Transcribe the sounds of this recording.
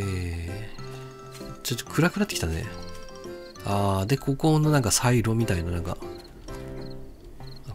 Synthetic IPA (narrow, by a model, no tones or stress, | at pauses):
e | t͡ɕot̪ːo̥kʰɯ̟ɾakɯ̟nat̪ːe̥ki̥t̪ane̞̰ | aːd̪e̞kʰo̞ko̞nːo̞nãŋkasaiɾo̞mʲit̪ainanãŋka̰